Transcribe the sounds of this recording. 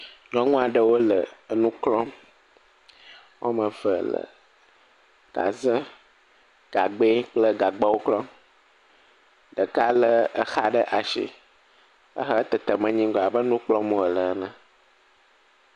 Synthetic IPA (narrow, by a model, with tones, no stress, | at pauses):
ɲɔ̃˦ŋũ˦a˨ɖə˨wo˦lə˨nũ˦klɔ̃˦ | wʔo̰˦mə̃˨və˨lə̰˨ | ɡ̥a̰˨zə˦ | ɡ̥a˨ɡ͡be˦k͡plə˦ɡa˨ɡ͡ba˦wo˦klɔ̃˦ | ɖə˨ka˦lə˦ə˦xa˦ɖə˦ʔa˨ʃḭ˦ | ə̰˦xə˦t̪ə˨t̪ə˨mə̃˦ɲĩ˦ɡɔ˨a˨bə˦nũ˦k͡plɔ̃˦mõ˨ə˨lə˨ə˦nã˦